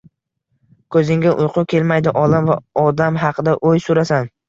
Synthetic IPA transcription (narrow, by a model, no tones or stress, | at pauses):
kʰɵzɪŋɡʲɪʔʊjqʰʊkʲʰe̞lmajd̪ɪʔɒlamvaɒd̪amɦɑqʰɨd̪aʔojsʊɾasan